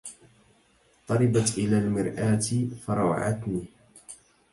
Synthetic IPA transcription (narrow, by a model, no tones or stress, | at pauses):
t̪ˤɑɾˤɑbat̪ʔɪlaːlmɪɾʔaːt̪fɑɾˤɑw̰ʕa̰t̪niː